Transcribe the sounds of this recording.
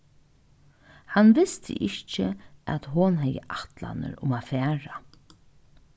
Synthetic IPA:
hanʋɪst̪ʰɪ̰ʔɪçt͡ʃɪæt̪ɦʊnɦɛjə̰ʔat̪la̰nə̰ɾʊmaːfɛːɹa

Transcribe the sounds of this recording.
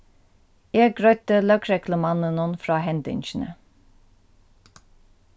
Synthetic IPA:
jæːɡɾœʏt̪əlœkɾɛkləmɑnənənfɾɑːɦɛnd̪ʏ̰nʃn̩ə̰

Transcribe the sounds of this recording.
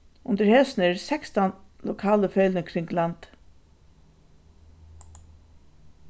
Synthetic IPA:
ʊnt̪əɾhɛsnɛɾsɛkst̪anlɔkʰɑːləfœʏlnəkʰɾɪŋɡlant̪

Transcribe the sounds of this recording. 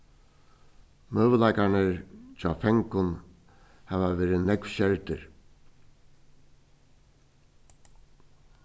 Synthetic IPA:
møːʋəlaɪkanəɹt͡ʃʰɑ̰ːfɛŋkʊn | hɛːʋaʋeːɾɪnɛkvɕɛɹt̪ɪ̰ɹ

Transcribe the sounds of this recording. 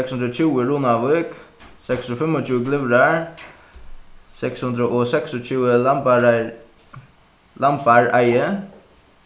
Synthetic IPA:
ɛkshʉnd̪ɾoːt͡ʃʰʉːəɾuːnɑʋɔʏk | sɛksɔfɛmɔt͡ʃʉːəɡlɪʋɾəɹ | sɛkshʉnd̪ɾəʔoːsɛksɔt͡ʃʉːə | lɑmpɑɹæɪə

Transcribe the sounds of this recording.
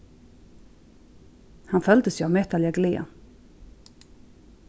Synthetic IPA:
hɑnfœld̪əsjʉɑʋmɛt̪aljaɡlḛː

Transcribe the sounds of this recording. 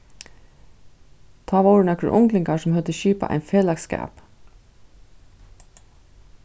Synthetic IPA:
t̪ʰɑːʋaɾnɛkʊʔʊ̰ŋklɪŋkaɹsɔmhœlt̪əʃiːpa̰ʔa̰ɪjnfeːlakskæ̰ːp

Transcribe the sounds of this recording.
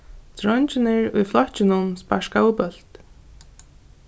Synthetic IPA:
t̪ʰɾɔɲt͡ɕɪnɪɾṵjflˠɔht͡ɕɪnʊmspaʂkaupœl̥t̪

